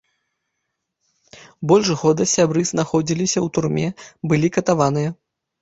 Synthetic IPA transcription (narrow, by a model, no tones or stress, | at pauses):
bɔlʲʂɣɔd̪ɐsʲabɾɨznaxɔd͡zʲilʲisʲɐwt̪urmʲɛbɨlʲikɐt̪avanɨjɐ